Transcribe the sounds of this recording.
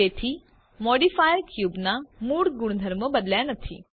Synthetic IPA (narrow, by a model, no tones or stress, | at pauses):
et̪ʰiː | mɔɽifajəɾkjuːbnamuːɽɡuɳ̃d̪ʱəɾməbəd̪ljanət̪ʰḭː